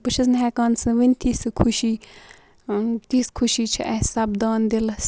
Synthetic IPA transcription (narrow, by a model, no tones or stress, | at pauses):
pɨt͡ʃʰɐznɦɛːkaːnsɨ̃ʋinʲt̪iːsɨkʰuʃiː | t̪iːskʰuʃiːt͡ʃʰiʔɛsɐbd̪aːnd̪elɐs